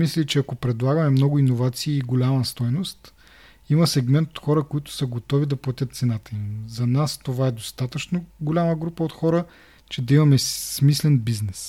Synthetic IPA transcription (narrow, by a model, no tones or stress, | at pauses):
mislʲit͡ʃɛɐkopɾɛd̪lˠaɡəmɛmnɔɡʊinovat̪siːɡolʲamɐst̪ɔjnost̪ | imɐsɛɡmɛnt̪ot̪xɔɾəkoit̪ʊ̥sɐɡot̪ɔvid̪ɐplˠɐt̪ʲət̪̚t̪sɛnat̪əimzɐnast̪ovaɛd̪ost̪at̪ət͡ʃnoɡolʲaməɡɾupəot̪xɔɾə | t͡ʃɛd̪ɐimɐmɛsmislɛnbiznɛs